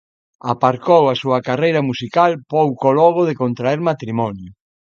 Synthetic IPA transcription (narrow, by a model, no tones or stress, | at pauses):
apaɾkowasuɐkarejɾɐmusikalpowkolɔɣoðekont̪ɾaɛɾmat̪ɾimɔnjʊ